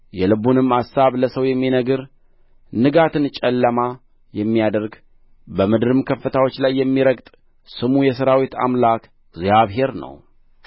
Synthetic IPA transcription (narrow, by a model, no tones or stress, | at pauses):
jɛlɨbunɨmːasːaβləsəwjɛmːinəɡɨɾ | nɨɡat̪ʰɨnt͡ʃʼɛlːəma | jɛmːijad̪əɾɡ | bəmɨd̪ɨɾɨmkʰəfːət̪ʰawo̞t͡ʃːlajːɛmːiɾəɡt̪ʼ | sɨmujɛsəɾawit̪a̰mlak | ɡzijaβɦe̞ɾnə̰w